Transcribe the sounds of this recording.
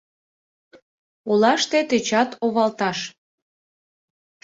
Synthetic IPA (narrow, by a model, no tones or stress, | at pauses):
olɑʃt̪et̪et͡ɕɑt̪oβɑlt̪ɑʃ